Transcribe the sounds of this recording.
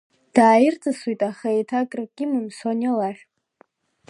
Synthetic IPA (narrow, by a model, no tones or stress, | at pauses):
d̥aːjɪrt͡sʼaswujtʼaχaetʰakʼrɨɡʲʼɪmɨmsonʲolaχʲᶣ